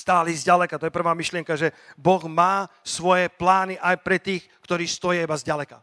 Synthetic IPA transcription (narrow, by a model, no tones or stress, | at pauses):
st̪aːlizɟalɛkat̪ɔjɛpr̩ʋaːmiʃlɪɛŋkaʒɛbɔɣmaːsʋɔjɛplaːniʔajpɾɛt̪iːx | kt̪ɔɾiːst̪ɔjɛibazɟalɛka